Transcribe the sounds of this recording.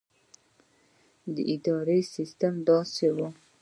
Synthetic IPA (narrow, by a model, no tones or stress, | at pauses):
d̪əʔid̪ɑɾesist̪amd̪ɑsewo